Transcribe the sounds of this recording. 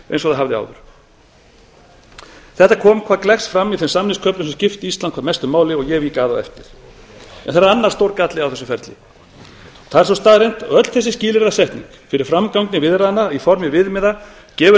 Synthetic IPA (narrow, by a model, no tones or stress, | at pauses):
ḛjnsɔθaɦavðɪa̰ːwðʏɾ̥ | θɛht̪akʰɔːmkʰaːðklɛxsfɾamːiðθɛnsamnɪskʰœplʏnsɛmscɪft̪iist̪lankʰvamɛst̪ʏmaːwlɪɔɣjɛvikaːðaɛ̰ft̪ɪɾ̥ | ɛ̰nθaɾaɾanːaɾr̥st̪owɾkat̪lɪawθɛs̬ːʏfɛɾt̪lɪ̰ | θaðɛɾs̬ɔwst̪aːðɾejn̥t̪œt̪l̥θɛsːɪsciːlɪɾɾasɛht̪nḭŋkfɪɾɪɾ̥fɾamkawŋknɪvɪðɾaðnaifɔɾmɪvɪðmɪða | cɛːvʏ